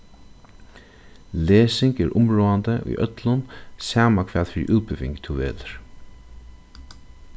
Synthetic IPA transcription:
leːsɪŋkɛɾʔʊmɹoːant̪əṵjʔœt̪lʊnsaːmakʰvaːðfɪɾḭʔuːpɪvɪ̰ŋkt̪ʰuvḛːt̪ʏɾ̥

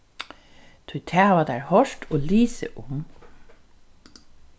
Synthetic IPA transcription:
t̪ʰʊjt̪ʰæːʋad̪æːɹhɔʂtʰoːliːsə̰ʔʊm

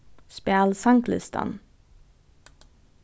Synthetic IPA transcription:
spæːlsɑŋklɪ̰st̪ʰɑ̰n

